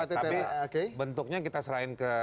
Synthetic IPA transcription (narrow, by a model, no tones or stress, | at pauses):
at̪et̪aepiokebənt̪ʊk̚ɲakit̪asəɾaɪnkə